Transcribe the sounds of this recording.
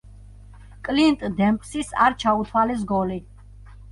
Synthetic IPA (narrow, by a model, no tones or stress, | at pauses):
kʼlint̪ʼd̪ɛmpʼsisa̰ɾt͡ʃʰaut̪ʰwalɛs̬ɡɔli